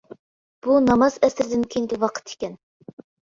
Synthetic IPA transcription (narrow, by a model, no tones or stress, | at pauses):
b̥unɑmɑzɛsɪɾd̪ɪnkʲʰejŋɡʲɪwɑqʰə̥t̪i̥kʲɛn